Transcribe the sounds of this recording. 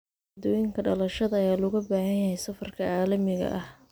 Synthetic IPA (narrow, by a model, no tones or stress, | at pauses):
d̪ɔːjɪŋkʰɐɖɐlɐʃɐðɐɐjaːlɔɣɐbaːhɐjɐɦɛjsɐfɐrkʰɐaːlɐmɪɣɐ̰ʔɐh